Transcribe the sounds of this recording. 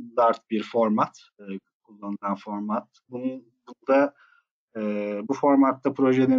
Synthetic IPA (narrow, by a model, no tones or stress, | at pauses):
d̪aɾt̪̚biɾfo̞ɾmat̪ː | kʰulˠːanɯlˠanfo̞ɾmat̪bu | bund̪a | ɛːbufo̞ɾmat̪ːapʰɾo̞ʒeni